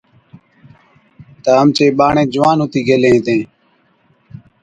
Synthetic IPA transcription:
t̪aːəmt͡ʃeːɓaːɳẽːd͡ʒʊʋaːnɦʊt̪iːɡeːlẽːt̪ẽː

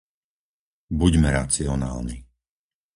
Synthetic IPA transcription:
buɟmɛɾat͡siɔnaːlni

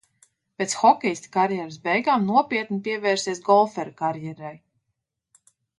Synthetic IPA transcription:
pʲeːt̪sxɔkʲɛjst̪ʲkaɾjɛɾɨsbɛjɡaːmnuɔpʲiɛt̪nipiɛvɛːɾsiɛsɡɔlˠfɛɾkaɾjɛɾaj

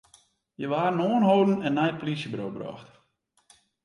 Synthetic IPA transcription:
jəʋaːrnoːənɦoːdn̩ɛnːɛjtpolisjəbɾoːbrɔ̰ːxt

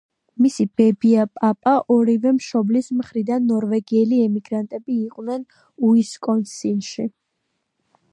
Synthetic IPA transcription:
misib̥ɛbiapʼapʼaʔɔɾivɛmʃɔblismχɾid̪anːɔɾvɛɡiɛliɛmiɡɾant̪ʼɛbiːqʼwnɛn | uiskʼɔnsinʃi

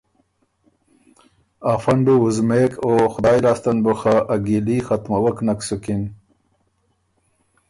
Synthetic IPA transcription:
afaɳɖuuzmekoxʊd̪ɑːjlaːst̪anbʊxaʔaɡilixat̪mawəknaksukin

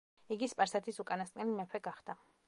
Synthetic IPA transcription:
iɡispʼaɾsat̪ʰisukʼanaskʼnɛlimɛpʰɛɡaχd̪̥a

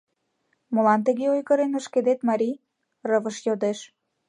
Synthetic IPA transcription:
molɑnt̪̬ə̆ɣeojɣə̆ɾenə̆ʃked̪et̪mɑɾʲi | rəβə̆ʃjod̪eʃ

